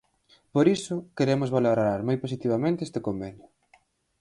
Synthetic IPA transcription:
poɾisʊkeɾemʊzβaloɾaɾmojposit̪iβamẽnt̪eest̪ekombenjʊ

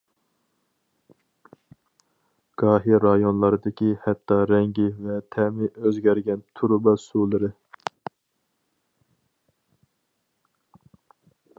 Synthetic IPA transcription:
ɡ̥ɑːɦiɾɑjonlˠɑɾɨd̪ɪkʲihɛt̪ːɑɾɛŋɡʲivɛt̪ʰɛmɪʔøzɡʲæɾɡʲɛnt̪ʰuɾbɑsulˠɨɾɨ

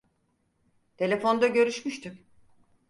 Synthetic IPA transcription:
t̪ʰe̞lʲe̞fo̞nd̪aɟø̞ɾyʃmyʃt̪ʰyk

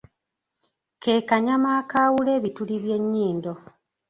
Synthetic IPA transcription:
ke̞ːkaɲamaːkaːwule̞ːβituliβje̞ɲːiːndo̞

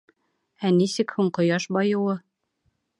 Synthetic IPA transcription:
ænisɘkhuɴqŏjɑʃbɒjɤ̆wɤ

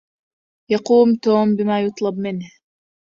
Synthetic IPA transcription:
jɑquːmt̪oːmbɪmaːjʊt̪ˤlɑbmɪnh

